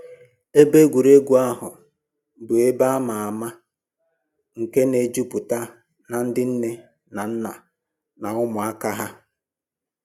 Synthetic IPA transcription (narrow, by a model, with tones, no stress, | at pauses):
e˦be˦ɡʷu˨ɾe˦ɡʷu˨a˦ɦʊ˨ | bʊ˨e˦ba˦ma˨a˨ma˦ | ŋ̩˨ke˦ne˨d͡ʒu˦pʊ˨ta˦ | na˨n̩˦dɪ˦n̩˦ne˦ | na˨n̩˦na˨ | na˨ʊ˦mʊ˨a˦ka˦ɦa˦